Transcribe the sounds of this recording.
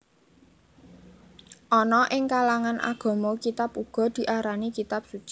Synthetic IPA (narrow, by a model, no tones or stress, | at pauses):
ʔɔnɔʔɪŋkalaŋanʔa̰ɡ̥ɔ̤mɔkit̪apuɡ̥ɔ̤d̪̥i̤ʔaɾanikit̪ap̚su̥t͡ʃi̥